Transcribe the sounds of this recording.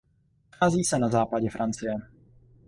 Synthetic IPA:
xaːziːsɛnazaːpaɟɛfɾʔant͡sɪjɛ

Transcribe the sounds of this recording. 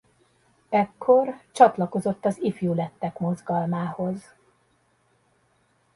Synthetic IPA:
ɛkʰːo̞rt͡ʃɒt̪lɒko̞zo̞t̪ːɒzifjuːlɛt̪ːɛkmo̞zɡɒlmaːho̞z

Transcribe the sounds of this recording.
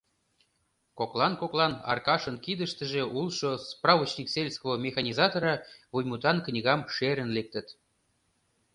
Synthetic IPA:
koklˠɑnkoklˠɑnɑ̰rkɑʃə̆nkid̪ə̆ʃt̪ə̆ʒeʔulˠʃosprɑvət͡ɕnʲikselʲskovomʲexɑnʲizɑt̪oɾɑvujmut̪ɑnknʲiɣɑmʃeɾə̆nlek̚t̪ə̆t̪

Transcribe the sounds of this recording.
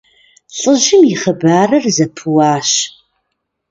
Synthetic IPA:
ɬʼəʒɪmiχɐbaːrɐrzɐpʰɨwaːʃ

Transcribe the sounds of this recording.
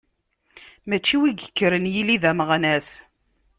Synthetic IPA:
mæt͡ʃːiwiɡə̥kːəɾənjiliðæməʁnæs

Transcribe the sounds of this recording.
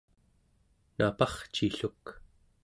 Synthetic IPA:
napɑχt͡ʃiɬuk

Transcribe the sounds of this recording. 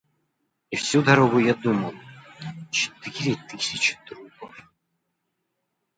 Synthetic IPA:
ifsʲud̪ɐɾoɣʊjad̪uməlˠ | t͡ɕɪ̥t̪ɪɾʲɪt̪ɨsʲɪt͡ɕɪ̥d̪ɾupəf

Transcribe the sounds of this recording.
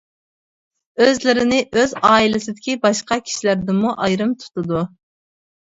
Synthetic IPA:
øzlɪɾɪnɪʔøzɑːilɪsɪd̪ɪkʲibɑʃqɑkʲʰi̥ʃilæɾd̪ɪmuʔɑjɾɨmt̪ʰu̥t̪ʰɨd̪u

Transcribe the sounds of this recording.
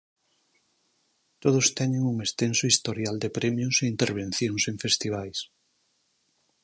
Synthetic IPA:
t̪oð̞ʊst̪ɛɲeŋuŋest̪ensʊist̪oɾjald̪epɾɛmjʊseint̪eɾβ̞ẽn̟θjoŋseɱfest̪iβ̞ajs

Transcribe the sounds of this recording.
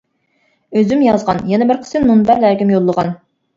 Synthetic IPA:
øzymjɑzʁɑnjɛnɛbɪɾqʰə̥sɨnmunbæɾlæɾɡʲimjolˠːəʁɑn

